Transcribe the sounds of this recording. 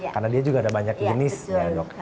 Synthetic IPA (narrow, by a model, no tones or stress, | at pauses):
karnadiad͡ʒuɡaːdabaɲak̚d͡ʒənɪsjadɔk̚